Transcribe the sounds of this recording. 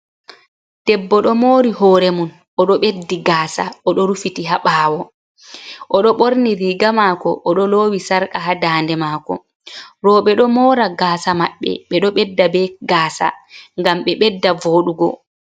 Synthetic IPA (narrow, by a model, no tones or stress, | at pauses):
tɛbːɔɗɔmoːɾiɦɔːɾɛmun | ɔɗɔɓedːiɡaːsaʔɔɗɔɾufitiɦaɓaːwɔ | ʔɔɗɔɓoɾniɾiːɡamaːkɔʔːɗɔloːwisaɾkaɦadaːndɛmaːkɔ̰ | ɾɔɓɛɗɔmɔːɾaɡaːsamaɓːɛ̰ɓɛɗɔɓɛdːabɛɡaːsa̰ŋɡamɓɛɓɛdːavoːɗuɡɔ̰